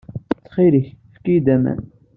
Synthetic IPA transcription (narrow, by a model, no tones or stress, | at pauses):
t͡sːχiɾiçfkijd̪æmæ̰n